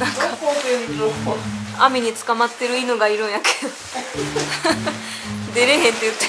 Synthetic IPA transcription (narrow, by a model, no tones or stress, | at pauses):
nãŋka | a̰mʲiɲ̟it͡sɨ̥kamat̪ːe̞ɾɯ̟inɯɡaiɾɯ̟̃ɰ̃jaked̪ | d̪e̞ɾeɦẽnt̪ːeɯt̪ːe